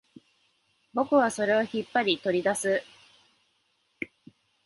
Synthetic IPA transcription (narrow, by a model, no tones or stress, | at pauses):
bo̞kɯ̟βaso̞ɾe̞oçipːaɾʲit̪o̞ɾʲid̪asɨ